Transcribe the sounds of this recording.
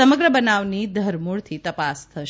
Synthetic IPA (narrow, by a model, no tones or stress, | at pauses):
əməɡɾəbənaʋnid̪ʱəɾmuɭt̪ʰit̪əpast̪ʰəʃ